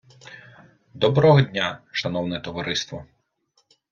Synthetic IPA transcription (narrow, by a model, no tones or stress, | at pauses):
d̪ɔbɾɔɦɔdʲnʲaʃɐnɔwnɛt̪ɔʋɐɾʔɪst̪ʋɔ